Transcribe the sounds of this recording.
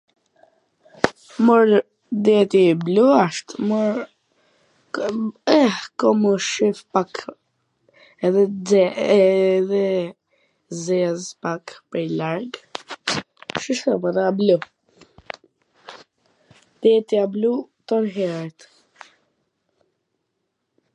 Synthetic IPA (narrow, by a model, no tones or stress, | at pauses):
məɾ | d̪ɛt̪ibluaʃt̪məɾ | ɛkɔməʃifpak | ɛðɛɛ | ðɛ | zɛzpakpɛlaɾɡ | ʃiʃɔməðɛablu | d̪̥ɛt̪iablut̪ɔnɦɛɾɛt̪